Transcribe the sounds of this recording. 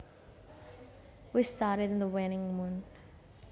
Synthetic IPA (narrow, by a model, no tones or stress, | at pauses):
wistaːɾədɪ̃nðəwɛnɪ̃ŋmũn